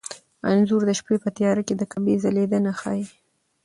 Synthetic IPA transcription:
anzuɾd̪əʃpepət̪jɑɾaked̪əkabezaled̪ənaxɑ̰ji

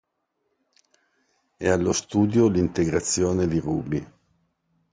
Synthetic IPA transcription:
ɛalːost̪uːd̪jolint̪eɡɾat̪sːjoːned̪iruːbi

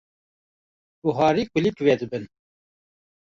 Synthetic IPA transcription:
uɦɑːɾiːkʷɨlikwɛd̪ɨbɨn

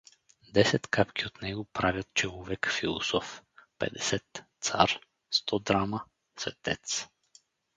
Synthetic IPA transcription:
d̪ɛsɛt̪kapkʲiot̪nɛɡopɾavʲjat̪̚t͡ʃɛvuvɛkfilˠɔ̰sɔfpɛ̰d̪ɛsɛt̪t̪sa̰ɾ | st̪ʰɔd̪ɾama | svɛ̰t̪ɛt̪s

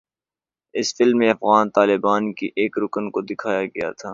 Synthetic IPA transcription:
ɪsfɪlmːẽɐfɣaːnt̪aːlɪbaːnkiʔeːkɾʊkənkod̪ɪkʰaːjaɡɐja̰t̪ʰaː

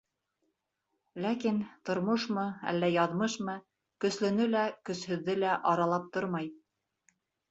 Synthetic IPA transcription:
lækint̪ŏɾmoʃmɤæ̰lːæjɑðmɤʃmɤ | kɵ̆slɵ̆nɵlækɵ̆shɵ̆ðːɘlæʔɑɾɑlˠɑp̚t̪oɾmɑj

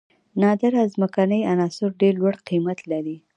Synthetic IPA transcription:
nɑd̪aɾazməkanəjanɑsʊɾɖeɾlwaɽqimat̪laɾi

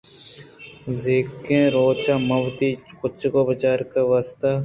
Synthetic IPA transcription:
zeːkːẽːɾoːt͡ʃaːmɐʋt̪iːkʊt͡ʃʰːkoːbət͡ʃaːɾkəʋaːst̪aː

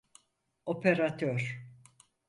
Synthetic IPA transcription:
opʰeɾat̪ʰøɾ

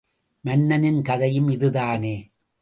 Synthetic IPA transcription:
mɐnːɐnɪnkɐðɐjɯmɪðɯðaːneː

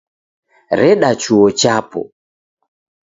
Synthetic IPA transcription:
ɾɛɗat͡ʃuɔt͡ʃapɔ̰

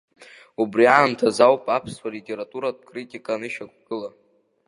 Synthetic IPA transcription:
ubriaːntʰazawpʼapʰswalitʲʼe̞ɾatʼuɾad̚kʼritʼikʼanɨʃak̚ʷʰʼɡ̥ɨla

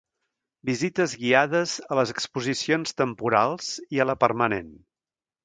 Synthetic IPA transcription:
bizit̪əzɣiaðəzələzəkspuzisionst̪əmpuɾalˠz̥iələpəɾmənḛn

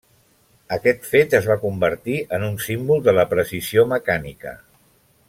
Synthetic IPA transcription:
əkɛt̪fet̪əzβakumbəɾt̪iʔənunsimbulˠd̪ələpɾəsizioməkanḭkə̰

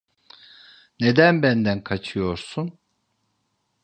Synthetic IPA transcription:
ne̞d̪ænbænd̪ænkʰat͡ʃʰɯjo̞ɾsun

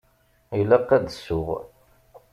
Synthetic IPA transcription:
ilæqːæd̪əsːʊʁ

